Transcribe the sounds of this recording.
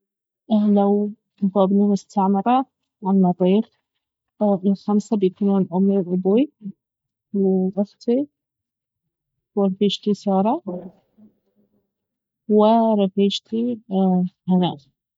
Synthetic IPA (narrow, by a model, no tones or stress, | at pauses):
ʔlaw | bɑːbnimʊst̪ʰaʕmɑɾˤɑ | ʕanːɑt̪ˤiːɾ | ʔɪlxamsabjkunuːnʕʊmnɪlʔʊbwi | wʔaxt̪ʰi | wɪɾˤfiːʃt̪isɑːɾˤɑ | wɪɾˤɑfiːʃt̪ʰi | hanaː